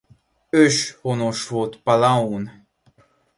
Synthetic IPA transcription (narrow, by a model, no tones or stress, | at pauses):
øʃhonoʃvot̪palaun